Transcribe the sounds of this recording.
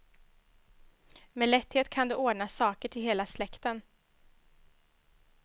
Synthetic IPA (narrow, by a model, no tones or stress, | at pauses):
meːlɛt̪heːt̪kʰand̪ɵʔoːɖɳasɑːkəʈʰɪlɦeːlaslɛkt̪ən